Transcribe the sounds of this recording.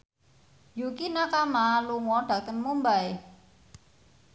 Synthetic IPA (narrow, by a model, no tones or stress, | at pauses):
jukinakamaluŋɔɖ̥ä̤kənmumbae